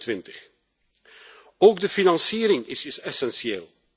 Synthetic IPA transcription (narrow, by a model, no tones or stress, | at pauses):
tʋɪntə̥x | oːɡdəfinɑnsiːɾɪŋɪsɪsɛsɛnsieːl